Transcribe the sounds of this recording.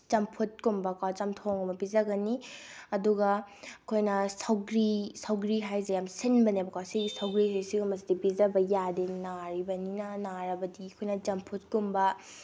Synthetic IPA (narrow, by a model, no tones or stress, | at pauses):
t͡ʃɐmpʰut̚kumbɐkawt͡ʃɐmtʰoŋɐmɐbizɐɡɐniɐduɡɐɐkʰojnɐsawɡɾisawɡɾiɦajzejamsinbɐnebɐkasiɡisawɡɾisesiɡumɐs̬idibizɐbɐjadinaɾibɐninɐnaɾɐbɐdiɐkʰojnɐd͡ʒɐmpʰut̚kumbɐ